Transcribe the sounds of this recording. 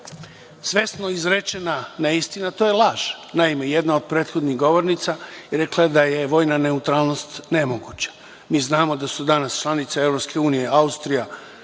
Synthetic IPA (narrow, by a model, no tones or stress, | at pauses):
sʋe̞snoizɾet͡ʃenaneist̪inat̪o̞jelˠaːʒnaime̞jed̪nao̞d̪̚pɾe̞ːt̪xo̞d̪niɣɡo̞ʋo̞ɾnit̪saiɾe̞klˠed̪ajeʋo̞ːjnane̞ut̪ɾaːlˠnost̪nemoɡut͡ɕḁ | miːznaːmo̞d̪asud̪anast͡ʃlˠanit̪seevɾo̞pske̞uːnije̞aust̪ɾija